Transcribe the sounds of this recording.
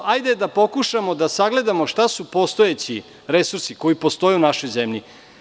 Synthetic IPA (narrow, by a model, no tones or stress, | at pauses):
ajd̪ed̪apo̞kuʃamo̞d̪asaɡle̞d̪amoʂt̪asupo̞st̪o̞et͡ɕi | ɾe̞suɾsiko̞ipo̞st̪o̞jɛunaʃo̞jzemʎi